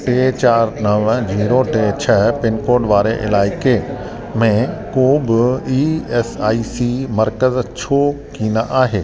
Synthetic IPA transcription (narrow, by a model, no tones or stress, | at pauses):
ʈeːt͡ɕaːɾnɐʋd͡ʑiːɾoʈeːt͡ɕʰɐɦpɪnkoːɖʋaːɾeʔɪ̰laːɪke | mẽkoːbɪiːesaːiːsimɐɾkəzt͡ʃʰoː | kiːnaʔaːɦeː